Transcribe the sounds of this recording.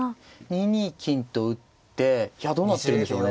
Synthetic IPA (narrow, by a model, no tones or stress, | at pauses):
ɲ̟iɲ̟ikʲĩnt̪o̞ɯ̟t̪ːe̞çjad̪o̞ːnat̪ːeɾɯ̟̃nd̪eɕoːn